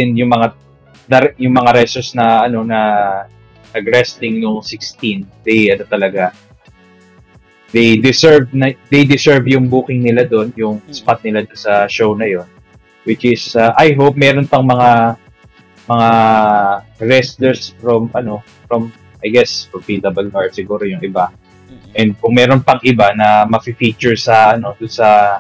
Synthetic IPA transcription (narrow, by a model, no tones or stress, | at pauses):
ɪnjʊŋmɐŋa | d̪ɐɾjʊŋmɐŋaɾɛsosnɐɐno̞nɐ | ʔɐɡɾɛst̪ɪŋnoŋsɪkst̪ind̪ɛjʔɐnot̪ɐlɐɡa | d̪ejd̪ɪsɛɹvnɐd̪ejd̪ɪsɛɹvjʊŋbuːkɪŋnɪlad̪o̞njʊŋspat̪̚nɪlad̪onsɐʃownɐjo̞n | wɪt͡ʃɪsaʔajɦowp̚mɛːɾonpɐŋmɐŋa | mɐŋa | ɹɛst̪lɛɹsfɹomʔɐno̞ | fɹɐm | ʔɐjɡɛsfɹɐmpid̪ɐbɐljʔaɹt̪sɪɡuːɾojʊŋɪba | ʔɛnd̪̚kʊŋmɛːɾo̞npɐŋʔɪbanɐmɐpɪfit͡ʃʊɹsɐʔɐno̞d̪ʊnsɐ